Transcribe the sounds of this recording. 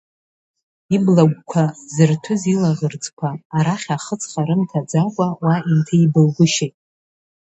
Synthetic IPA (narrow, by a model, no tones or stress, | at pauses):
iblaɡʷkʷʰazɨrtʰʊzilaʁərd͡zʼkʷʰaːɾaχʲaχət͡sʰʼχaɾɨmtʰad͡zakʷʼawaintʰaibɨlɡʷʊʃejtʼ